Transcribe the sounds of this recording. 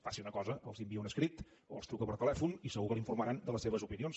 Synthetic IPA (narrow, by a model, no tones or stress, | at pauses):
fasiunəkɔzəəlˠzimbiəunəskɾit̪ | o̰ə̰lˠst̪ɾukəpəɾt̪əlɛfunisəɣukəlˠiɱfuɾməɾand̪ələsːeβ̞əzupinions